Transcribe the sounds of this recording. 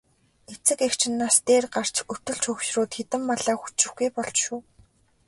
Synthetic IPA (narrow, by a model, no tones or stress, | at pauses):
et͡sɘ̆kekt͡ɕʰɪ̆nːaːst̪eːrɢar̥t͡ɕɵ̥t̪ɵ̆ɮt͡ɕʰɵxʃrʊːt̪xet̪ɘ̆mːaɮaːxu̥t͡ɕɪ̆xɡujpɔɮt͡ɕʃuː